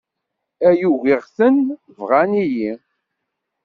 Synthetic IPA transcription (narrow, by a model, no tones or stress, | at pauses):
æjuɣiʁsən | vʁæniji